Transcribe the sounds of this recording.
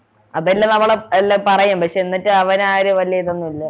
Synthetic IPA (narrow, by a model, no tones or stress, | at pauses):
ɐðɐilːɐnɐmːuɭeelːɐpɐrɐjampɐkʂe̞enːitːɨɐʋɐnaːɾeʋɐlijɐit̪ːonːuilːɐ